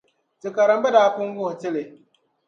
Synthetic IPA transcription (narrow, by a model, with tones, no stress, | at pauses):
tɪ˨ka˨ɾa˨m˦ba˦daː˦pʊ˦ŋ˦ɡʊ˦hʊ˨tɪ˦lɪ˨